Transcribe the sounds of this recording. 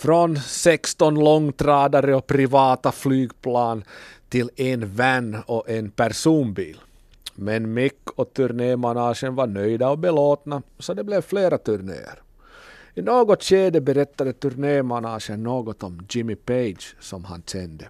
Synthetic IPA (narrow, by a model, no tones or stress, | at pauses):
fɾɔnsɛkst̪ɔnlɔŋːt̪ʰɾæːd̪aɾəɔpʰɾɪvɑːt̪aflyːɡpʰlɑːnt̪ʰɪlɛnvɛnːɔʔɛnpæɾʂuːnbḭːl | mɛnmɪkːɔt̪ʰɵɾɳeːmanɑːʂənvaɳœjd̪aɔbɛloːt̪nasɔd̪ɛblɛvfleːɾat̪ʰɵɾɳḛːə̰ɾ | ɪnoːɡɔt̪ɕeːd̪əbɛɾɛt̪ːad̪ət̪ɵɾɳeːmanɑːʂənːoːɡɔt̪ɔmd͡ʒɪmɪpejd̪ʃsɔmha̰nɕɛnd̪ə